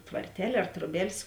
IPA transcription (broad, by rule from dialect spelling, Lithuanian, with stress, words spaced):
tʋɐrʲˈtʲɛlʲ ɐr troːˈbʲɛlʲsʲ